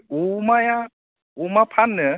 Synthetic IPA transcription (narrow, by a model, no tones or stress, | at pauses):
umaja | umapʰanːə